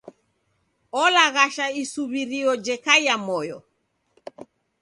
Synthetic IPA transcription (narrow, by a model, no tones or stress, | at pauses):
ɔlaɣaʃaisuβiɾiɔd͡ʒɛkaiamɔjɔ